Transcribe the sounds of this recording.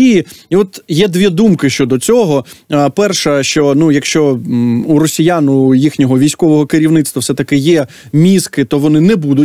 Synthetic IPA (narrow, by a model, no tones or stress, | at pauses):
iiɔt̪jɛd̪ʋʲid̪umkɪʃt͡ʃɔd̪ɔt͡sʲɔɦɔpɛrʃɐʃt͡ʃɔnujɐkʃt͡ʃɔuɾɔsʲijanʊjixnʲɔɦɔʋʲijsʲkɔʋɔɦɔkɪɾʲiʋnɪt̪st̪ʋɐwsɛt̪ɐkɪjɛ | mʲiskɪt̪ɔʋɔnɪnɛbud̪ʊ